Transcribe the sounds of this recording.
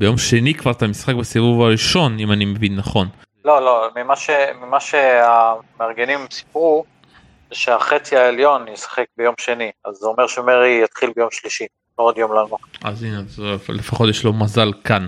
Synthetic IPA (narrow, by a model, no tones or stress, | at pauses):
bejo̞mʃe̞nikvaʁt̪amisχak̚besivuvaʁiʃo̞nimanimevinːaχo̞n | lo̞lo̞mimaʃemimaʃeameaʁɡenimsi̥pʁu | zeʃeaχet͡siaeljo̞njesḁχekbejo̞mʃe̞niazomeʁʃeomeʁijat̪χilbejo̞mʃliʃi | lood̪jo̞mlanoχazinezlefaχo̞tjeʃlo̞mazalkan